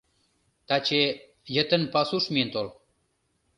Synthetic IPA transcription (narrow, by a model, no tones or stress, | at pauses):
t̪ɑt͡ɕe | jə̆t̪ə̆npɑsuʃmient̪ol